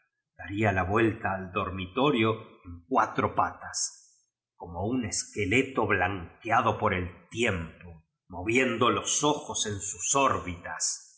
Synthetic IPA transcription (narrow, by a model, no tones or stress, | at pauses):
d̪̥aɾialaβwe̞lt̪aːld̪o̞ɾmit̪o̞ɾjoeŋkwat̪ɾo̞pat̪as | ko̞mo̞une̞ske̞le̞t̪o̞βlaŋkjað̞o̞po̞ɾe̞lt̪je̞mpo̞ | mo̞βje̞nd̪oloso̞xose̞nsusoɾβit̪as